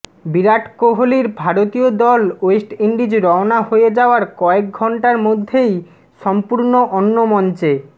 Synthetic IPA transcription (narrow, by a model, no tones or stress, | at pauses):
biɾaʈkoɦoliɾbʱaɾot̪iod̪ɔloesʈiɳɖid͡ʑɾɔnahoed͡ʑaoaɾkɔek̚ɡʱɔɳʈaɾmod̪ʱːej | ʃɔmpuɾnoʔɔnːomɔnt͡ɕe